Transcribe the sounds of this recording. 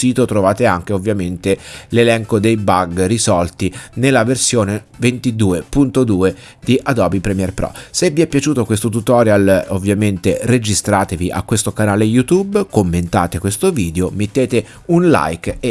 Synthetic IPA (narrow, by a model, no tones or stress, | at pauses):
siːt̪ot̪ɾovaːt̪eaŋk̟eovːjament̪elelɛŋkod̪ejbaɡrizɔlt̪inelːaversjoːne | vent̪id̪uːepunt̪od̪uːe | d̪iʔad̪ɔbipɾɛmiɛrpɾɔ̰sevːiɛpːjat͡ʃuːt̪okwest̪ot̪ut̪ɔɾjalovːjament̪ered͡ʒist̪ɾaːt̪eviʔa̰kːwest̪okanaːlejut̪ubkomːent̪a̰ːt̪ekwest̪oviːd̪eomet̪ːeːt̪e | unla̰jke